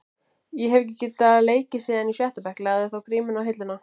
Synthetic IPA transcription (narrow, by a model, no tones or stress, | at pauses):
jɛɦɛvɛc̬ɪcɪt̪aleːjcɪsiːðanisjɛht̪apɛhklaːðɪθawkɾiːmʏnawɦɪt̪lʏna